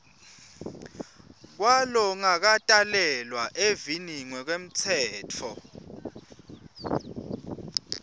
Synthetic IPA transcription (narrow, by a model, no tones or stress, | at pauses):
k̬walɔŋak̬atʼalɛlwaʔeviniŋwɛk̬wem̩t͡sʰɛːtʰɔ